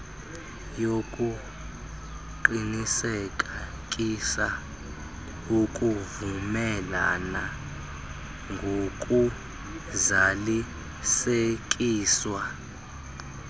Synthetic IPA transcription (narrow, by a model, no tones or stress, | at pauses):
jokʼu | ǃinisɛkʼa | kʼisa | okʼuvumɛla̰na | ŋɡʱokʼu | zali | sek̬ʼiːswa